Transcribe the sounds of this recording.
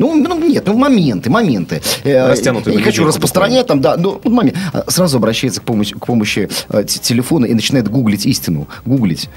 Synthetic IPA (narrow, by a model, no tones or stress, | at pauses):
nununʲet̪numɐmʲe̞nt̪ɨmɐmʲent̪ɨstʲanʊnʲɪɪxɐt͡ɕurəspɾəst̪ɾɐnʲæt̚ʲt̪amd̪anoot̪mɐmʲḛsɾazʊɐbɾɐɕːɛjɪt̪sə̥kpomɕkpo̞məɕːɪtʲɪlʲɪfo̞nəʔinət͡ɕɪnajɪt̪ɡuɡlʲɪtʲisʲtʲɪnʊ̰ɡuɡlʲɪ̰tʲ